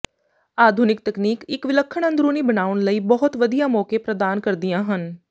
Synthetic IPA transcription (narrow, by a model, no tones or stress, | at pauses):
aːd̪ʱuːnɪk̚t̪əkniːkɪkʋɪləkʰːəɳə̃nd̪ɾuːniːbənaːʋəɳləiːbɔɦʊt̪ʋəd̪ijãːmɔːkeːpɾəd̪aːnkəɾd̪ɪjãːɦən